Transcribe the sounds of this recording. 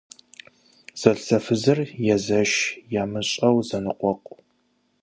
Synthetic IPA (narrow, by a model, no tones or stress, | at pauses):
z̥ɐɬsɐfɨzɨrjɛzɐʃjaːmɨɕʼɐwzɐnɨqʷɔqʷʼ